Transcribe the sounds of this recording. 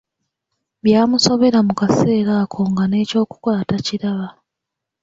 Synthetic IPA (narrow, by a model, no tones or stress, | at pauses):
βjaːmuso̞βe̞ɾamukase̞ːɾaːkʰo̞ŋɡane̞ːco̞ːku̥kaataciɾaβa